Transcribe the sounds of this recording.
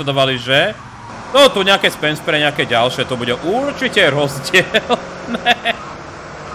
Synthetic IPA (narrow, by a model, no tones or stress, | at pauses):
ad̪ɔʋaliʒɛ | t̪ɔt̪uɲɛakɛːspɛnspɾɛɲɛakɛːɟalʃɛt̪ɔbuɟɛʔuɾt͡ʃicɛɾɔzɟɪɛl | nɛ